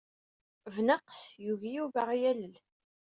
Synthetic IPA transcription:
vnaqsjuʝijuvaʁjæləl

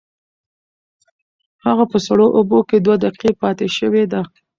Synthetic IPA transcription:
haɣapəsaɽoʔoboked̪wad̪aqqepɑt̪eʃəwed̪a

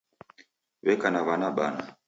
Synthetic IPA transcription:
βɛkanaβanaɓa̰na

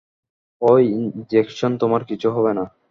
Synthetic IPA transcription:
ojind͡ʑekʃont̪omaɾkit͡ɕʰuɦɔβena

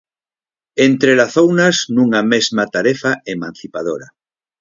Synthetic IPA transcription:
ent̪ɾelaθownaznũŋamezmat̪aɾefaemãn̟θipað̞oɾa

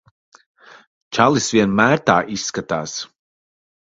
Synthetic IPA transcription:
t͡ʃalˠisviɛnmæːɾt̪aːʔisːkat̪aːs

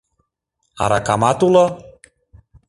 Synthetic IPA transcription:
a̰ɾakamat̪ulə

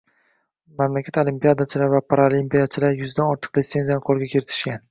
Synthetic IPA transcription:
mamlakʲʰat̪olimpijad̪at͡ʃʰɪlaɾvapʰaɾalimpijat͡ʃʰɪlaɾjʊzd̪anɒɾt̪ʰɨ̥qlet̪se̞nzijanɨqʰolˠɡʲakʲʰeɾɪt̪ʰɪ̥ʃkʲan

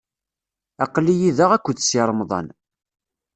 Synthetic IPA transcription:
ɑqlːijiðəʁækʷːəd̪siɾˤmðˤɑ̰n

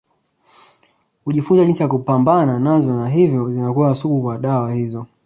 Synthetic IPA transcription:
kuʄifunzaʄinsiakupambananazɔnaɦivjɔzinakuwasuɓukwaɗawahizɔ

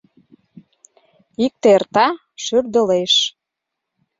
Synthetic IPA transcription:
ik̚t̪ert̪ɑ | ʃyrd̪ə̆leʃ

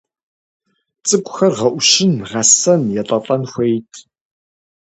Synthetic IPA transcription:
t͡sʼɨkʷʼxɐrʁɐʔʷʊʃɪnʁɐsɐnjɛtʼɐtʼɐnxʷejtʰ

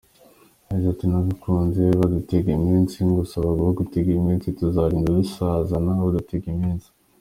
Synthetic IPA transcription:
aizatinaβukʰuːnzeβaduteɡimiːnsiŋɡusaβaɡuhoɡuteɡimiːnsituzaːɾiːŋɡadusazanaβoduteɡimiːnsi̥

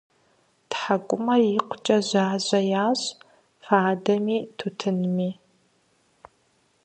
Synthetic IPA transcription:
tħakʷʼʊmɐrjɪqʷʊt͡ʃʼɐʑaːʑɐjaːɕʼ | faːdɐmiːtʰutʰɨnmiː

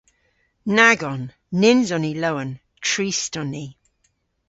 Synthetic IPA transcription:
naɡɔnː | ɪnzɔniləwən | tʰɹistɔni

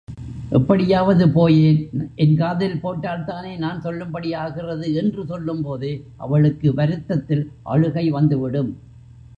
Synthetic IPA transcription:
ʔɛpːɐɽɪjaːʋɐðɯpoːjeːnʔɛnkaːðɪlpoːʈːaːlt̪aːneːnaːnsɔlːɯmbɐɽɪjaːɣɪrɐðɯɛndrɯsɔlːɯmpoːðɯʔɐ̰ʋɐɭɯkːɯʋɐɾɯt̪ːɐt̪ːɪlʔɐ̰ɻɯɣɐɪʋɐnd̪ɯʋɪɽɯm

